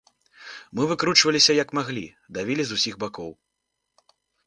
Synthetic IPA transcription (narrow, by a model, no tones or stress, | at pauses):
mɨvɨkɾut͡ʂvɐlʲisʲɐjɐkmaɣlʲi | d̪avʲilʲizusʲiɣbakɔw